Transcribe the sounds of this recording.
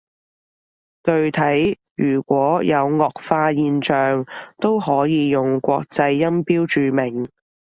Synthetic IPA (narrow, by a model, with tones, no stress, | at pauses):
t̪ɵ˧ɥt̪ʰɐ˨˥j | jyː˨˩kʷwɔː˨˥jɐ˨˧wŋɔː˨k̚faː˧jiː˧nt͡ʃœː˨ŋt̪o˥wɦɔː˨˥jiː˨˧jʊ˨ŋkʷɔː˧k̚t͡sɐ˧jːɐ˥mpiː˥wt͡ʃyː˨mɪ˨˩ŋ